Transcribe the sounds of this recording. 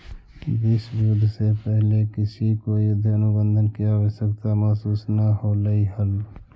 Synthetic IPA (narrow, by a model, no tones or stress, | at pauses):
ʋɪsbɪɾʊd̪ʱːsepəɦlekɪsikoːiʊd̪ʱːeənʊbə̃nd̪ʱənkiaːʋəʃjəkt̪amaːsuːsnəɦoləiɦəl